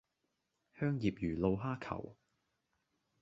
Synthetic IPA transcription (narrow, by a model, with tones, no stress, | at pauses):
hœː˥ŋjiː˨p̚jyː˨˩lo˧wɦaː˥kʰɐ̰˨˩w